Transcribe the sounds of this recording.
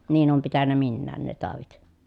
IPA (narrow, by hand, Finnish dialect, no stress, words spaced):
niːn oːm pitænːæ minːæːn ne tɑˑoʋit